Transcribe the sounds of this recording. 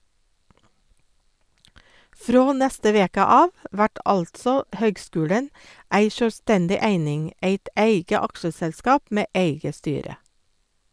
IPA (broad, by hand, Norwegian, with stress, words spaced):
ˈfɾoː ˈnæstə ˈʋeːkə ˈɑːʋ ə ˈʋæʈ ˈʔɑltsɔ ˈhøːɡˌskʉːɽən ˈæɪ ʃœlˈstɛndɪ ˈæɪnɪŋ ˈeɪt ˈʔeɪɡə ˈɑkʃəsɛlˌskɑːp ˈmeː ˈʔeɪɡə ˈstyːɾə